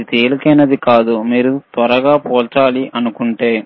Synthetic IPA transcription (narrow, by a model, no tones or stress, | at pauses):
it̪eːlukɐːnɐd̪ikaːd̪umiːɾut̪ʋɐɾɐɡaːpoːlt͡ʃaːliʔɐnukuɳʈeː